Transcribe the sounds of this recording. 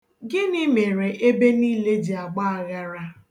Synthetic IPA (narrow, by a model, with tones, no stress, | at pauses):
ɡɪ˦nɪ˦me˨ɾe˨ʔe˦be˦ni˦le˦di˨a˨ɡ͡ba˦a˨ɣa˦ɾa˦